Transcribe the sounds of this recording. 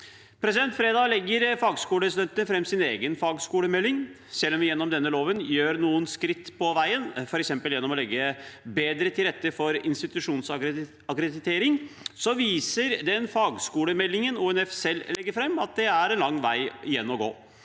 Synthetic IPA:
pʰɾɛs̬ɪd̪ɛnt̪fɾeːd̪ɑːlɛɡːəɾfɑːɡskuːləɾɛs̬d̪ɛnt̪ənəfɾɛmːsɪneːɡənfɑːɡskuːləmɛlːɪŋ | sɛlːɔmʋɪjɛnːɔmd̪ɛnːəloːʋənjøːɾnuːənskɾɪt̪ːpʰɔʋæɪənfɔɾɛksɛmpəljɛnːɔmɔlɛɡːəbeːd̪ɾət̪ʰɪlɾɛt̪ːəfɔɾɪnst̪ɪt̪ʉʂuːns | ɑkɾɛd̪ɪt̪ʰeːɾɪŋsɔʋiːsəɾd̪ɛnfɑːɡskuːləmɛlːɪŋənuɛnɛfsɛlːlɛɡːəɾfɾɛmːɑt̪̚d̪ɛæɾɛnlɑŋːʋæɪɪjɛnːɔɡo̰ː

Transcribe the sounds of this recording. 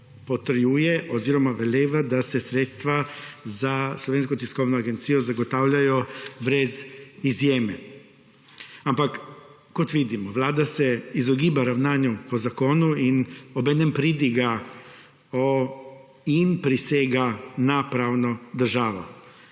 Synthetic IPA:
pot̪ɾ̩jujeʔoziɾomaʋeleːʋad̪asesɾeːt̪st̪ʋazaslˠoʋeːns̬kot̪iskoʋnoaɡent̪sijozaɡot̪awʎajobɾezizjeːme | ampak | kot̪ʋid̪imoʋlaːd̪aseizoɡiːbaɾaʋnaːɲupozakoːnuinobed̪nempɾid̪iɡa | o | inpɾiseɡanapɾaːwnod̪r̩ʒaːʋo̰

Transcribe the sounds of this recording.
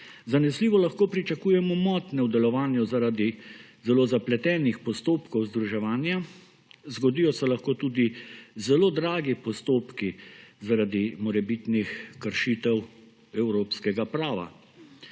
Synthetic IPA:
zanɛsliːʋɔlaxkoːpɾit͡ʃakuːjɛmɔmɔt̪nɛwd̪ɛlɔʋaːnjuzaɾaːd̪izɛloːzaplɛt̪ɛːnixpɔst̪oːpkɔwzd̪ɾuʒɛʋaːnja | zɡɔd̪iːjɔsɛlaxkoːt̪uːd̪izɛloːd̪ɾaːɡipɔst̪oːpkizaɾad̪imɔɾɛbit̪nixkəɾʃit̪ɛw | ɛwɾoːpskɛɡapɾaːʋa̰

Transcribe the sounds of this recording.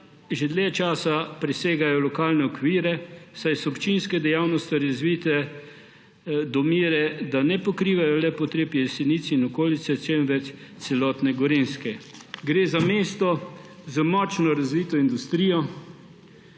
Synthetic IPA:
ʒed̪lɛt͡ʃaːsapɾɛseːɡajɔlɔkaːlnɛɔkʋiːɾɛsajsɔɔpt͡ʃinskɛd̪ɛjawnɔst̪iɾazʋiːt̪ɛ | d̪ɔmiːɾɛd̪anɛpɔkɾiːʋajɔlɛpɔt̪ɾeːpjɛsɛnit̪sinɔkoːlit̪sɛt͡ʃɛmʋɛt͡ʃt̪sɛlɔt̪nɛɡɔɾinskɛɡɾeːzameːst̪ɔ | zəmɔːt͡ʃnɔɾazʋiːt̪ɔind̪ust̪ɾiːjɔ

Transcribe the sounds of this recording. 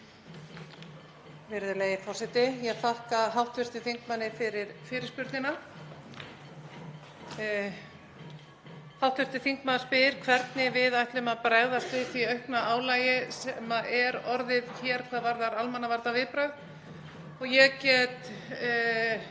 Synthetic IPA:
vɪɾðʏleːjɪfɔr̥sɛt̪ɪjɛɣθahkaɦawht̪vʏr̥t̪ɪθiŋkmanːɪfɪɾɪɾfɪɾɪɾspʏɾt̪ɪna | hawht̪vʏr̥t̪ɪθiŋkmaðspɪðɾ̥kʰvɛɾt̪nɪvɪðajht̪lʏmaðpɾɛɣðast̪vɪθviœɥhknaʔaːwlaːjɪsɛmaʔɛɾɔɾðɪðçɛɾ̥kʰvaːðvaɾðaɾalmanavaɾt̪avɪðpɾaɣð | ɔɣjɛɣcɛt̪

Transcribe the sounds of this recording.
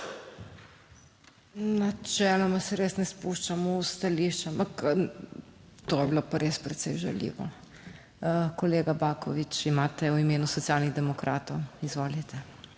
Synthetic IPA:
nat͡ʃɛːlɔmasɛɾesnɛspuʃt͡ʃamɔust̪aliʃt͡ʃampak | t̪oːjɛblopaɾespɾɛt̪sɛjʒa̰lḭːʋɔ̰ | koleːɡabaːkɔʋit͡ʃimaːt̪ɛwimeːnusɔt̪sijalniɣd̪ɛmɔkɾʔaːt̪ɔwizʋoːlit̪ʰɛ

